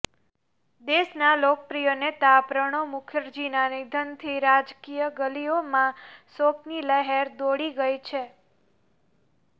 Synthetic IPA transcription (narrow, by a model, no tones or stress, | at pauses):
d̪eʃnalokəpɾijənet̪apɾəɽ̃omʊkʰjəɾd͡ʒinanid̪ʱənt̪ʰiɾad͡ʒkijəɡəliomãsokniləɦeɾd̪oɽiɡəjt͡ʃʰe